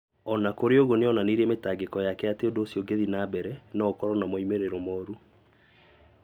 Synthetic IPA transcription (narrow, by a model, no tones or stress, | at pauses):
ɔnakoɾeoɣoneɔnaneɾɛmetaːɡekɔjakɛateondoːsioɡeðinaːbɛɾɛnɔkɔɾɔnamɔimeɾeɾɔmɔɾu